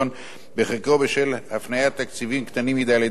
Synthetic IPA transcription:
on | beχekobeʃelhafnajat̪ːakt͡sivimkt̪animjid̪aled̪

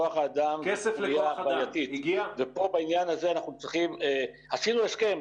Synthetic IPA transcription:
oaχaːd̪amkeselijavaajat̪it̪iɡiavepo̞bainjanazeanaχnut͡sʁiχime | hasinueʃkem

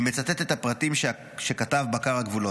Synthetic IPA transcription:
met͡sat̪et̪e̞t̪hapʁatimʃ | ʃe̞katavbakaʁhaɡvulo

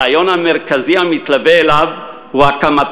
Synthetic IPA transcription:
ajo̞nhame̞ʁkaziamit̪laveːlav | huakamat

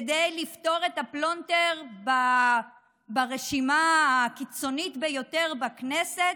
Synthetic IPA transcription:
dejlifto̞ʁetaplonteʁba | baʁeʃimakit͡so̞nitbejo̞te̞ʁbakneset

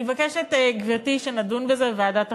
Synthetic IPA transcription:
vakeʃetɡvitiʃenadunvezeveaːdat

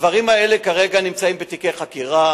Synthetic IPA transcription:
vaʁimae̞lekaʁeɡanimt͡saimbet̪ikeχakiʁa

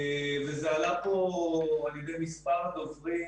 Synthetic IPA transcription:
vezealapoaljed̪ejmispaʁd̪ovʁi

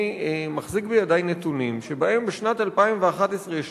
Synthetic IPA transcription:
maχzik̚bejadajnːet̪unimʃe̞baʔe̞mbeʃnat̪alpaimveaχat̪esʁeʃ

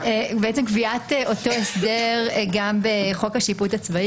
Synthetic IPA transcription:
ebeet͡semkviateʔo̞to̞esde̞ʁɡambeχo̞khaʃiputat͡svai

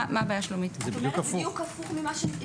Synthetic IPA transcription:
maːbaːjaʃlomitzɛbid̪jukafujukafuχmimaʃe

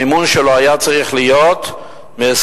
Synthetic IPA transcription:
imunʃeloɦajat͡saʁiχlijot̪ | mes

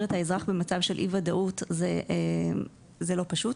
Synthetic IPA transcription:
ʁethaezʁaχbe̞mat͡savʃe̞lʔḭvadaʔutzeʔ | zelo̞paʃut

